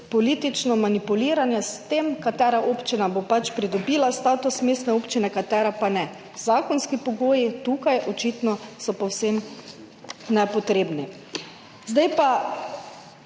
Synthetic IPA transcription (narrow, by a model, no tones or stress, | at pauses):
pɔliːt̪it͡ʃnɔmanipuliːɾanjɛst̪emkat̪ɛːɾaʔoːpt͡ʃinabopat͡ʃpɾid̪ɔbiːlast̪aːt̪usmeːst̪nɛoːpt͡ʃinɛkat̪ɛɾɛpanɛ | zaːkɔnskipɔɡoːjit̪ukajʔɔt͡ʃit̪nɔsɔpɔwsem | nɛpɔt̪ɾeːbni | zd̪ajpa